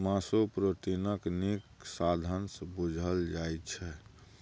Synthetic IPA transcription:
masopɾət̪inəkniksad̪ʱənsəbud͡ʒʱəld͡ʒajt̪t͡ʃʰɛ

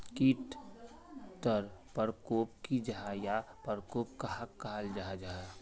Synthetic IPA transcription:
kiʈ | t̪əɾpəɾkoːpkid͡ʒaɦajapəɾkoːp̚kaɦakːaald͡ʒaɦad͡ʒaja

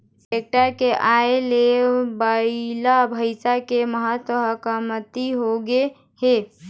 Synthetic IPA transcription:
sek̚ʈəɾkeʔaelebəilabʱəɪsakeməɦət̪wəɦəkəmət̪iɦoɡe | he

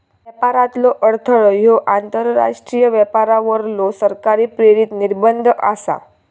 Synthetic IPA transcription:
ʋjəpaɾat̪lɔʔəɽt̪ʰəɭɔjoʔant̪əɾːa̰ʂʈɾijəʋɛpaɾaʋəɾlosəɾkaɾiːpɾeɾit̪niɾbənd̪ʱʔa̰sa̰

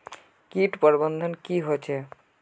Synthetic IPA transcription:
kiʈpɔɾbɔnd̪ʱɔnkiɦojt͡ɕʰe

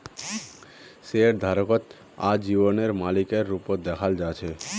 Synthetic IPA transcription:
seɾd̪ʱaɾokot̪ | a̰d͡ʑiboneɾmalikeɾːupod̪ɛkʰald͡ʑat͡ɕʰe

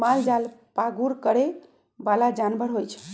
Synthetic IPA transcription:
mald͡ʒalpaɡuɾkəɾe | balad͡ʒanbəɽɦojt͡ʃʰ

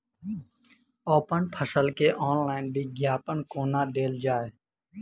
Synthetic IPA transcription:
oːpənpʰəsəlkeːʔɔːnlaːɪnbʱiːɡjaːpənkoːnaːɖeːld͡ʒaːeː

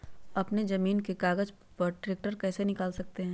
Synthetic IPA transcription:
ɐpnezɐmiːnkekaːɡəd͡ʒ | pɐʈɾeːk̚ʈəɾkɛːsenɪkaːlsɐk̚t̪eɦɛ̃ː

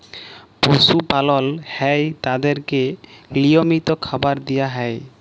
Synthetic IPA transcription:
posupalɔlhɛjt̪ad̪eɾkeliomit̪okʰabaɾd̪ijaɦɛj

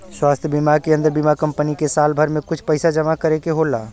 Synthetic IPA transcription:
swaːst̪ʰjəbimakeə̃nd̪əɾbimakəmpənikesaːlbʱəɾmẽkʊt͡ʃʰpəɪsad͡ʒəmakəɾekeɦolaː

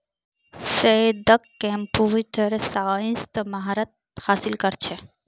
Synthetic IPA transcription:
sed̪əkːempuːt̪ʰəɾsaːĩst̪maɦaɾət̪̚haːsilkɐɾt͡ʃʰe

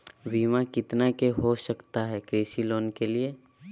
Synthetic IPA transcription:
ʋiːmakɪt̪nakeɦoʃɐkt̪aɦɛkɾeːʃiloːnkelie

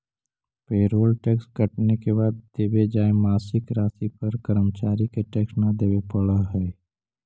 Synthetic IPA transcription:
peːɾoːlʈɛːkskəʈnekebaːd̪ːeːbed͡ʒaːemaːsɪkɾaːsipəɾkəɾəmt͡ʃaːɾikeʈɛːksnad̪eːbepəɽaɦɛː

